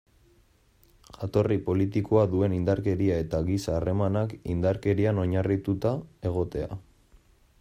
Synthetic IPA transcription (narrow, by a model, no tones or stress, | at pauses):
ʝat̪o̞ripo̞lit̪iko̞aðue̞nind̪aɾke̞ɾiae̞t̪aɣisaːre̞manakind̪aɾke̞ɾiano̞ɲarit̪ut̪ae̞ɣ̞o̞t̪e̞a̰